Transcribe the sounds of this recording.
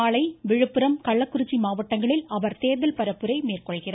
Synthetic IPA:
aːɭɐɪʋɪɻɯpːɯɾɐmkɐɭːɐkːʊɾɯt͡ʃːimaːʋɐʈːɐŋɡɐɭɪlɐʋɐɾt̪eːɾðɐlpɐɾɐpːɯɾɐɪmeːrkɔɭɣɪraː

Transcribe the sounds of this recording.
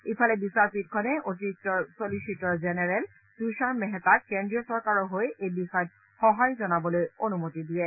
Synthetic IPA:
ipʰalɛbisaɹpit̚kʰɔnɛʔotitːɔsoliʃitːɔɹzenɛɹɛl | tuʃaɹmɛɦɛtat̚kendɹiɔsɔɹkaɹɔɦojejbixɔjɔt̚ | xɔɦajzɔnabɔlojonumotidiɹɛ

